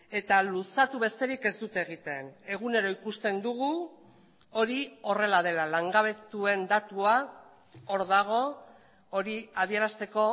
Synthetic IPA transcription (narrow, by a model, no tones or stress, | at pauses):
e̞t̪alusat̪uβe̞st̪e̞ɾike̞zd̪ut̪eeɣ̞it̪e̞ne̞ɣ̞une̞ɾo̞ikust̪e̞nd̪uɣ̞u | o̞ɾio̞re̞lað̞e̞lalaŋɡaβ̞e̞t̪ue̞nd̪at̪ua | o̞ɾðaɣ̞o̞ | o̞ɾiað̞ie̞ɾast̪e̞ko̞